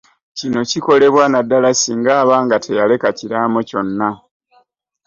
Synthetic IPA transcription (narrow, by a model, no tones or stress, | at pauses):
cino̞ciko̞le̞βwanadːalasiːŋɡaːβaːŋɡatʰe̞jale̞kaciɾaːmoco̞nːa